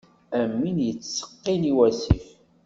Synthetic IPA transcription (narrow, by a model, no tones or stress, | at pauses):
æmːinjət͡sːsə̥qːiniwæsḭf